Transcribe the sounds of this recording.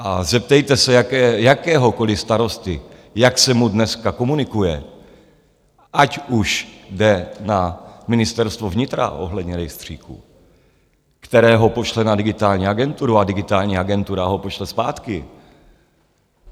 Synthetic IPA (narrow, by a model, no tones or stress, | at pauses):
ʔazɛpt̪ɛjt̪ɛsɛjakɛːjakɛːɦo̞ko̞lɪst̪aɾo̞st̪ɪ | jaksɛmudnɛskako̞munɪkujɛ̰ | ʔacuʃdɛnamɪnɪst̪ɛɾst̪vo̞vɲɪt̪ɾa̰ʔo̞̰ɦlɛdɲɛɾɛjst̪r̝̥iːkṵ | kt̪ɛɾɛːɦo̞po̞ʃlɛnadɪɡɪt̪aːlɲiːaɡɛnt̪uɾuadɪɡɪt̪aːlɲiːaɡɛnt̪uɾaɦo̞po̞ʃlɛspaːt̪kɪ